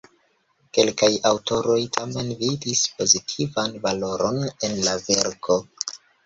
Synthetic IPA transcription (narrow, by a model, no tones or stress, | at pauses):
ke̞lkajawto̞ɾo̞jtʰame̞nvidispo̞zitʰivanvalo̞ɾo̞ne̞nlaveɾkʰo̞